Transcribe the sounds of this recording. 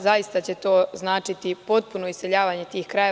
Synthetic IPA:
zaist̪at͡ɕe̞t̪o̞ːznaːt͡ʃit̪ipo̞t̪̚puno̞isse̞ʎaːʋaːɲe̞t̪iːxkɾaje̞

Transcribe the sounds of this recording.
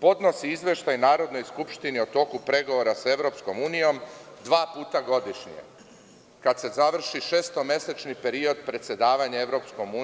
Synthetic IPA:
po̞d̪no̞siizʋʲje̞ʃt̪ajnaːɾo̞d̪no̞jskupʃt̪iniot̪o̞kupɾe̞ɡo̞ʋoɾase̞ʋɾo̞ːpsko̞muːnijo̞md̪ʋaːpuːt̪aɡo̞d̪iʃɲḭjḛ | kad̪se̞zaʋr̩ʃiʃe̞ːst̪o̞me̞set͡ʃnipe̞ɾio̞d̪̚pɾe̞t̪sʲje̞d̪aːʋaɲae̞ʋɾo̞psko̞muː

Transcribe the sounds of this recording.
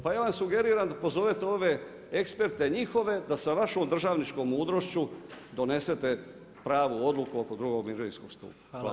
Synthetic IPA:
pajaʋamsuɡe̞ɾiːɾand̪apo̞zo̞ʋet̪eo̞ʋe̞ | ekspe̞ɾt̪e̞ɲixo̞ʋe̞d̪asaʋaʃoːmd̪r̩ʒaʋnit͡ʃko̞mːuːd̪ɾoʃt͡ɕud̪o̞ne̞se̞t̪e̞ | pɾaːʋuo̞d̪lukuoko̞d̪ɾuɡo̞ɡmiʒeɾḭskoɡst̪ṵːpḁ

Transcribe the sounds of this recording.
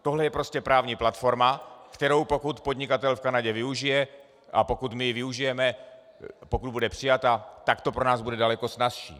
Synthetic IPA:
t̪oɦlɛjɛpɾo̞scɛpɾaːvɲiːplat̪fo̞ɾmakt̪ɛɾo̞wpo̞kut̪po̞d̪ɲɪkat̪ɛlfkanaɟɛvɪuʒɪjɛ | ʔapo̞kut̪mɪvɪuʒɪjɛmɛ | pokud̪̚budɛpr̝̥ɪjat̪at̪akt̪opɾonaːzbudɛdalɛko̞snasʃḭː

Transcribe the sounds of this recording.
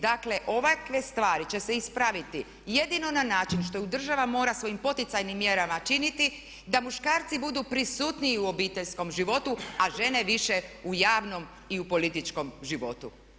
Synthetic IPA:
d̪akle̞ʔo̞ʋakʋest̪ʋaːɾit͡ɕe̞se̞ispɾaʋit̪i | je̞d̪ino̞nanaːt͡ʃinʃt̪o̞jud̪r̩ʒaʋamo̞ːɾasʋo̞jimpo̞t̪it̪sajnimːje̞ɾamat͡ʃinit̪i | d̪amuʃkaːɾt̪sibud̪upɾisuːt̪niiuo̞biːt̪eʎsko̞mʒiʋo̞t̪uaʒe̞ne̞ʋiʃe̞ujaːʋno̞m | iupo̞lit̪it͡ʃko̞mʒiʋo̞t̪u

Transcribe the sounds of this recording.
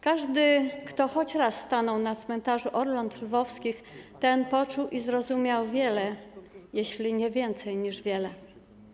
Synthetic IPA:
kaʐd̪ɘkt̪ɔxɔt͡ɕɾasːt̪anɔwnat̪smɛnt̪aʐuʔɔɾlɔnt̪lvɔfskʲixt̪ɛnpɔt͡ʂuwʔizɾɔzumʲjawvʲjɛlɛjeɕlʲiɲɛvʲjɛnt̪sɛjɲiʐvʲjɛlɛ

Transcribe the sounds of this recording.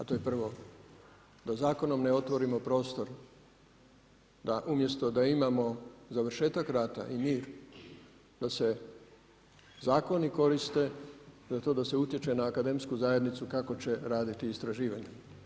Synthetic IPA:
at̪o̞je̞pr̩ʋo̞ | d̪azaːko̞no̞mneo̞t̪ʋo̞ɾimo̞pɾo̞ːst̪o̞ɾ | d̪aʔumje̞st̪o̞d̪aimamo̞zaʋr̩ʃe̞ːt̪akɾaːt̪a̰ʔimiːɾ | d̪̥ase̞ | zaːko̞niko̞ɾist̪e̞zat̪o̞ːd̪ase̞ut̪je̞t͡ʃe̞naːkad̪e̞mskuzaje̞d̪nit̪sukako̞t͡ɕe̞ɾaːd̪it̪iːst̪ɾaʒiːʋaɲe

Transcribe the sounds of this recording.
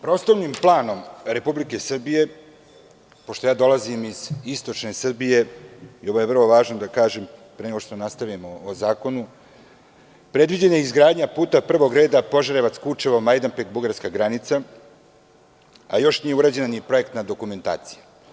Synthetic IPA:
pɾo̞ːslˠoʋnimplˠaːno̞mɾe̞publike̞sr̩bije̞ | poʃt̪o̞jaːd̪o̞lˠazimiz̥ist̪o̞t͡ʃne̞sr̩bije̞io̞ʋoje̞vr̩lˠoʋaːʒnod̪akaːʒe̞mpɾeneɡo̞ʂʃt̪onast̪aʋimoːzaːko̞nu | pɾe̞d̪ʋid͡ʑeneizɡɾaːd̪ɲapuːt̪apr̩ʋoɡɾe̞ːd̪apo̞ʒaɾeʋat̪skut͡ʃeʋomajd̪ampeɡbuɡaɾskaɡɾanit̪sa | a̰jo̞ʃnije̞uɾaːd͡ʑe̞nanipɾo̞je̞kt̪nad̪o̞kume̞nt̪a̰ːt̪si̥ja

